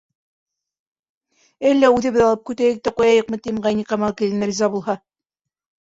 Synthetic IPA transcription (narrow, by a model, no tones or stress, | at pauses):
ælːæʉðɘ̆βɘðɑlˠɤp̚kʉt̪æjɘk̚t̪æqujɑjɤqmɤ̆t̪imʁɑjniqɑmɑlˠkilɘ̆nɘɾʲizɑbulˠhɑ